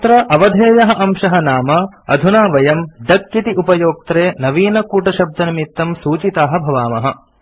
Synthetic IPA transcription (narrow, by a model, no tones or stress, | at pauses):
t̪ɾɐʔɐʋɐd̪ʱeːjɐɦɐ̆ʔɐmʃɐɦɐnaːmɐɐ̰d̪ʱunaːʋɐjɐmd̪ɐkːit̪iʔupɐjoːk̚t̪ɾeːnɐʋiːnɐkuːʈɐʃɐb̚d̪ɐnɐmit̪ːɐmsuːt͡ʃit̪aːɦɐ̆bʱɐʋaːmɐɦɐ